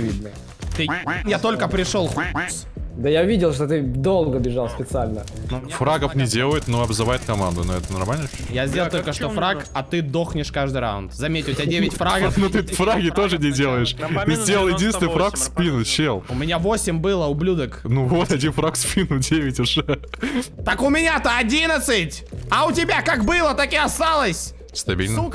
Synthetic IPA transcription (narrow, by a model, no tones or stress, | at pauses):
vʲḭd̪nə | t̪ɨnjat̪o̞lʲkəpɾʲɪʂo̞lˠx | d̪əjavʲidʲɪlˠʂ̬t̪ot̪ɨd̪o̞lˠɡəbʲɪʐalˠsʲpʲɪt̪sɨalʲnənufraɡəfnʲɪdʲe̞lˠəjɪt̪noɐbzɨvajɪt̪kɐma̰nd̪ʊnoɛt̪ənɐ̰rmalʲnəjazʲdʲelˠt̪olʲkəʂt̪ofɾakɐt̪ɨd̪o̞xnʲɪʂkaʐd̪ɨjɾa̰ʊnt̪zɐmʲetʲlʲˠtʲadʲevʲɪtʲfɾaɡəfnut̪ɨfɾaɡʲɪt̪o̞ʐɨnʲɪdʲe̞lˠəjɪʂt̪ɨzʲdʲeləlˠjɪdʲinsʲɪnɨfɾakspʲinʊɕelˠʊmʲɪnʲavo̞sʲɪmʲbɨlˠəʊblʲud̪əknuvo̞t̪ɐdʲinfɾakspʲinʊdʲevʲɪtʲʊʐɛ | t̪əkʊmʲɪnʲat̪əɐdʲinət̪sɨtʲɐʊtʲɪbʲakakbɨlˠət̪akɪɐst̪alˠəsʲ | st̪ɐbʲḭlʲn